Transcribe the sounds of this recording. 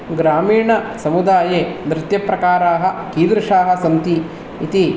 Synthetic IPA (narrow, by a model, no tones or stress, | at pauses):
ɡɾaːmiːɳɐsɐmud̪aːjeːnɾɪt̪jɐpɾɐkaːɾaːɦɐ̆kiːd̪ɾɐʂaːɦɐ̆sɐnt̪iː | t̪i